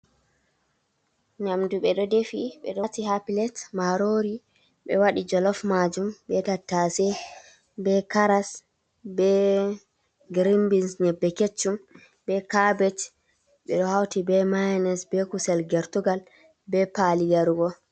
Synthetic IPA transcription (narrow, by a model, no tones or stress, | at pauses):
ɲamduɓɛɗɔdefiɓɛ̰ɗɔtihapilɛtmaɾoɾi | ɓɛwaɗid͡ʒɔlɔfmad͡ʒumbɛtatːasɛ | bɛkaɾas | bɛ | ɡɾimbinsɲɛbːɛket͡ʃːum | bɛkabɛt͡ʃ | ɓɛɗɔhawtibɛmajnɛsbɛkusɛlɡɛɾtuɡal | bɛpaliɡaɾuɡɔ